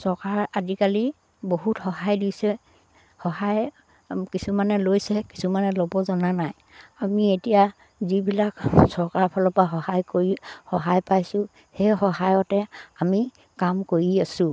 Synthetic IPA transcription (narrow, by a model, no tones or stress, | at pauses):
sɔɹkaɹadikali | boɦutxɔɦajdusɛ | xɔɦaj | kisumanɛlojsɛki̥sumanɛlɔbɔzɔnanaj | amietija | zibilaksɔɹkaɹpʰɔlɔpaxɔhajkoɹihɔɦajpajsʊ | hɛxɔɦajɔtɛami | kamkoɹiasʊ̃